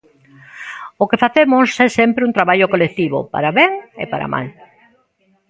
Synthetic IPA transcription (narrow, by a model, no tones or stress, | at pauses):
ʊkefaθemʊsɛsɛmpɾeũnt̪ɾaβaʎokolek̚t̪iβʊ̰pa̰ɾaβeŋḛpaɾa̰mʔa̰l